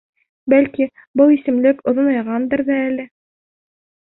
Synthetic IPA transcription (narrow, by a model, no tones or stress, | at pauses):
bælki | bɤlˠisɘ̆mlɘkŏðŏnɑjʁɑnd̪ɤ̆ɾðɑælɘ